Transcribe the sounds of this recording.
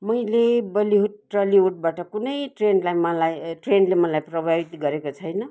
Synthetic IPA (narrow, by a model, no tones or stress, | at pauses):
mʌjlebʌliɦuʈːrʌliɦuʈ̚baʈʌkunʌjʈrenlajmʌlajʈrenlemʌlajprobʱajɖɡʌɾekot͡sʰʌjnʌ